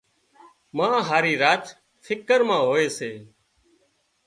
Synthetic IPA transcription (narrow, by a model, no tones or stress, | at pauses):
mãːɦaːɾiːɾaːt͡ʃ̪ | fʰɪkəɾmãːɦoːeːseː